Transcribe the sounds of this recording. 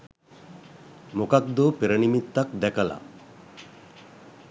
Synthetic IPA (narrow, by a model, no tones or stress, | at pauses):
mokak̚d̪opeɾənimit̪ːak̚d̪ɛkʰala̰